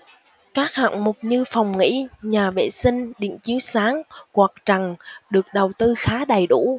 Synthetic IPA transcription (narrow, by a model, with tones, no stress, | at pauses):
kaː˦˥k̚ha̰ː˧˨ŋmo˨˩k͡p̚ɲɨ˧fa˨˩wŋ͡mŋḭ˧˥ɲaː˨˩vḛ˧˨sï˧ŋ̟ɗḭ˧˨əŋt͡ɕi˨˦əwsaː˨˦ŋkwaː˨˩k̚t͡ɕa˨˩ŋɗɨ˨˩ək̚ɗə˨˩wt̪ɨ˧xaː˨˦ɗə˨˩jɗṵ˧˥